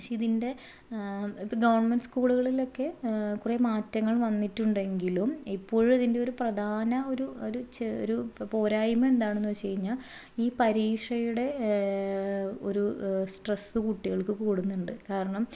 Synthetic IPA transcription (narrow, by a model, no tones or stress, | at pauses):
ɕeiðinde̞ | ɡɐʋɐrɳmenɖɨskuːɭuɣɐɭilo̞kːe̞kuremaːtːɐŋːɐɭʋɐnːitːuɳɖe̞ŋɡilumipːo̞ːɻɐðinde̞oɾuprɐd̪ʱaːnɐo̞ɾuoɾut͡ɕo̰ɾupo̞ːɾaːjimɐe̞nd̪aːɳenːuʋɐt͡ɕe̞jiɲːa | iːpɐɾiːʂɐjuɽe̞ | o̞̰ɾusʈresɨkuʈːiɣɐɭkːɨkuːɽunːuɳɖɨkaːɾɐɳɐm